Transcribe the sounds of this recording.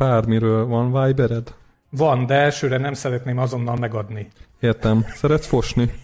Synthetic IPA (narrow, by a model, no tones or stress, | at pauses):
aːrmiɾøːlvɒnvaːjbɛɾɛd̪ | vɒnd̪ɛɛlʃøːɾɛnɛmsɛɾɛt̪neːmɒzo̞nːɒlmɛɡɒd̪nieːrt̪ɛmsɛɾɛt̪sfo̞ʃni